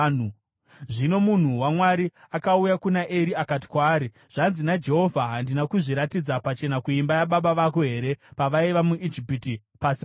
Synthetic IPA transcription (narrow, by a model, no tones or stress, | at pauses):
ʐino̞mun̤uwamwaɾi | akaujakunaʔeɾiakat̬i̥kwaːɾi | ʐ̥anzinad͡ʒe̞ɦo̞vʱaɦandinakuʐiɾatid͡zapat͡ʃe̞nakuimbajaɓaɓaʋako̞ɦe̞ɾe̞paʋaiʋamuʔid͡ʒipiti | pasi